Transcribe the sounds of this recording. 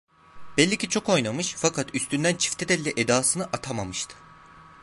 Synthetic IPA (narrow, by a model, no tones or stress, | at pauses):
b̥ɛlʲːicit͡ʃʰo̞ko̞jnamɯʃfakʰat̪yst̪ʰynd̪ænt͡ʃʰi̥ft̪ʰɛd̪ɛlʲːɛʔed̪aːsɯnɯʔat̪ʰamamɯʃt̪ʰɯ̥